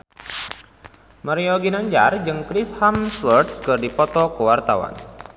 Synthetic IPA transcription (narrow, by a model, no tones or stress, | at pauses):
məɾiɔɡinaɲd͡ʒa̰rd͡ʒɨŋkɾishamswərt̪̚kɨrdipɔt̪ɔkəwart̪awa̰n